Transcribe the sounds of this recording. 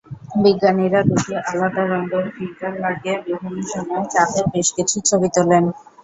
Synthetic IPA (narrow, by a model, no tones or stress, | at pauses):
biɡːaniɾaɾud̪ieʔalad̪aɾɔnd̪eɾfiɡalːaɾɡebɾoɦoniʃɔmɔet͡ɕapebeʃkit͡ɕʰut͡ɕʰobit̪olen